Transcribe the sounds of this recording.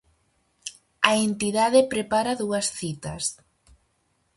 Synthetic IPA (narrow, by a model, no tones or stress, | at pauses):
ɐent̪iðaðepɾepaɾaðuɐsθit̪ɐs